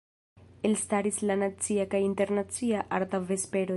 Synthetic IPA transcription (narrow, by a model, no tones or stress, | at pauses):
elstaɾislanat͡siakajinte̞ɾnat͡siaʔaɾtave̞spe̞ɾo